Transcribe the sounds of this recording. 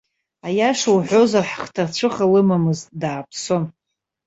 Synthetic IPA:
ajaʂawħʷo̞zarħχtʰart͡ɕʷʰɨχalɨmamɨztdaːpʰson

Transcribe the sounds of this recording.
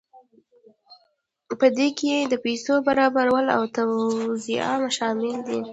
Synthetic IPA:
pəd̪ekejed̪əpejsobaɾɑbaɾawəla̰wt̪awzia̰maʃɑmɪld̪i

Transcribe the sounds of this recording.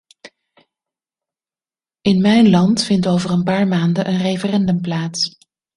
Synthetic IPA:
ɪnmɛjnlɑntfɪntowvərənpaːɹmaːndəʔənrejfərɛndɵmplaːts

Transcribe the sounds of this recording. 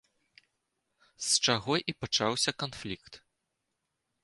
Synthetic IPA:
st͡ʂaɣɔʔipat͡ʂawsʲɐkanflʲikt̪

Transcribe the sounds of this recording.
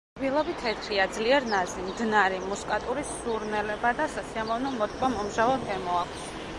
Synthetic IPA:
bilˠɔbit̪ʰɛɾt̪ʰɾiad̪zliɛɾnazimd̪naɾimuskʼat̪ʼuɾisːuɾnɛlɛbad̪asasiamɔvnɔmɔt̪ʼvamɔmʒavɔɡɛmɔakʼʰʷs

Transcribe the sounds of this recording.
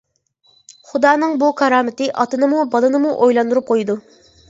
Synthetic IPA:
χud̪ɑːnɨŋbukʰɑɾɑːmɪt̪ɨʔɑt̪ɨnɨmubɑlˠɨnɨmuʔojlˠɑnd̪uɾup̚qʰojd̪u

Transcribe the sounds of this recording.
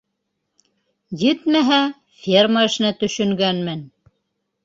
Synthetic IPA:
jɘt̪mæɦæ | fʲerməɘ̆ʃɘ̆næt̪ɵ̆ʃɵ̆ŋɡænmɘn

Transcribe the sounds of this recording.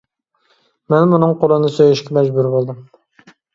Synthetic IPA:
mɛnmunɨŋqolˠɨnɨsøjeʃkʲɛmɛd͡ʒbuɾbolˠd̪ɨm

